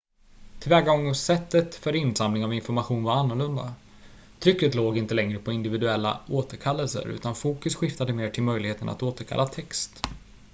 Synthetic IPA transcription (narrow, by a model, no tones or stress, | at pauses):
t̪ʰɪlvɛːɡaɔŋsɛt̪ːət̪fœɾɪnsamlɪŋavɪnfɔɾmaɧuːnvaɾanːɔɭɵnd̪a | t̪ʰɾʏkːɾət̪loːɡɪnt̪əlɛŋɾəpʰɔɪnd̪ɪvɪd̪ɵɛlːa̰oːt̪əɾkʰalːəlsə̰ɾʉ̟̰ːt̪anfuːkɵsɧɪft̪ad̪əmeːʈʰɪlmœjlɪɡheːt̪ənʔa̰t̪oːt̪əɾkʰa̰lːat̪ʰɛkst̪